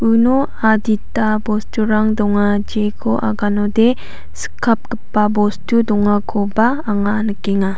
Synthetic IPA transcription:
uno | aditabɔstuɾaŋdɔŋad͡ʒekʰoʔa̰ɡanode | sə̥kʰap̚kəpːabɔstudɔŋakʰobaːŋanəkeŋa

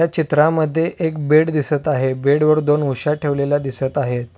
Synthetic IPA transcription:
at͡ɕit̪ɾãməd̪ʱːjeʔek̚beɽd̪isət̪aɦebeɽʋəɾd̪onuɕaʈʰeʋlelad̪isət̪aɦet̪̚

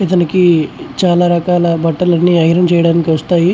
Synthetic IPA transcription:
ɐt̪ɐnikit͡ʃaːlaːɾɐkaːlɐbɐʈːɐlɐnːiɐjɾɐmt͡ʃɛjɐɽaːnikiʋɐst̪aːji

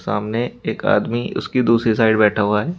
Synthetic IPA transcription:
saːmneeːka̰ːd̪miʊ̰skid̪uːsɾisaːɪɖbɛːʈʰaɦuaɦɛː

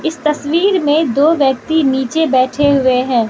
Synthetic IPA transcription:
ɪst̪ɐswiːɾmẽd̪oːʋjɐk̚t̪iniːt͡ʃebɛːʈʰeɦʊeɦɛ̃ː

